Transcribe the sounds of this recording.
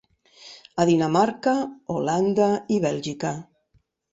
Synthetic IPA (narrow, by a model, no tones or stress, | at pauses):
aðinamaɾkaoland̪aiβɛlʒika